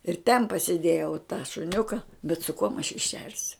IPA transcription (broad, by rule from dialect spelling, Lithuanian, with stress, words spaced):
ɪr tʲɛn pɐsʲɪˈdʲeːjɛʊ tɑː ʃʊˈnʲʊkɐ bʲɛt sʊ kuɔm ɐʃ jiː ˈʃʲɛrʲsʲʊ